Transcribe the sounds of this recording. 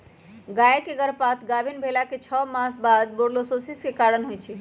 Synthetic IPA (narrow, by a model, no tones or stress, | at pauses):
ɡaekeɡəɾpat̪ʰɡabʱinbʱelaket͡ʃʰɔmãsbad̪̚boɾlososiskekaɾənɦojt͡ʃʰi